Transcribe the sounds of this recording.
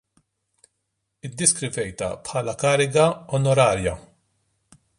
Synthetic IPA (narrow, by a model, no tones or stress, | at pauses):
ɪd̪ːɪskɾɪvɛjt̪ɐ̰pħɐːlɐkɐːɾɪɡɐɔnɔɾɐːɾjɐ